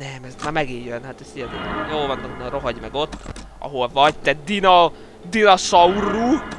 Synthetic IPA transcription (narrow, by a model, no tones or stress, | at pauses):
nɛmɛsmaːmɛɡijjønhat̪ɛst̪ijɛt̪ɛk̪joːlvɒnːɑknroɦɒɟmɛɡo̞t̪ː | ʔɒ̰ɦo̞lvɒɟt̪ɛd̪inɒ | d̪inɒsɒurːu